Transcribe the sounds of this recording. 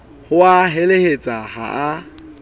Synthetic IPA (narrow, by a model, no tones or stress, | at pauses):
hʊaɦelehet͡sʼaha̰a